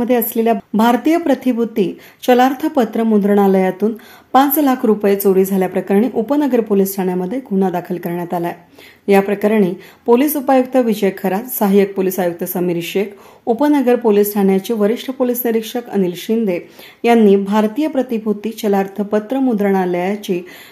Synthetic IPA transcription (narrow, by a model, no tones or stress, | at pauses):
əd̪ʱːjeəsleljabʱaɾt̪ijəpɾət̪ibʱut̪ːiː | t͡ɕəlaɾt̪ʰəpət̪ɾəmund̪ɾəɳ̃aləjat̪uːn | pãt͡slakʰɾupjet͡soɽiːd͡zʱaljapɾəkəɾɳ̃iʔupənəɡəɾpolisʈʰaɳjaməd̪ʱːjekunad̪akʰəlkəɾɳjat̪ala | japɾəkaɾɳ̃iː | polisupajuk̚t̪əʋid͡ʑəjkʰəɾat̪saɦajək̚polisajuk̚t̪əsəmiɾɕekʰ | upənəɡəɾpolisʈʰaɳjat͡ɕiːʋəɾiʂʈʰəpolisniɾikʂəkə̰nilɕind̪e | janːiːbʱaɾt̪iːjəpɾət̪ibʱut̪ːiːt͡ɕəlaɾt̪ʰəpət̪ɾəmund̪ɾəɽ̃aljt͡ɕiː